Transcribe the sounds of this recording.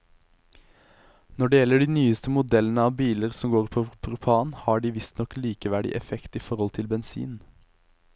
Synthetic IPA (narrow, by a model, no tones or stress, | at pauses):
nɔɖɛːjɛləɖiːnyːəst̪əmʊd̪ɛlənəɑːʋbiːləʁsɔmɡoːʁpʰopʰʁʉpʰɑːnhɑːɖiːʋɪst̪nɔkliːkəʋæɖɪ̰ʔɛfɛkt̪iːfɔʁɔlt̪ʰɪlbɛnsḭːn